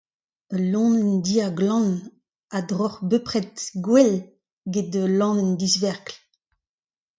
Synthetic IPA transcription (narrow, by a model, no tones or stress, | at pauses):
əlɔ̃ːnɛnd̪iaɡlɑ̃n | adʁɔʁbøpχɛt̪ɡwɛl | ɡed̪əlɑ̃nɛnd̪izvɛʁkl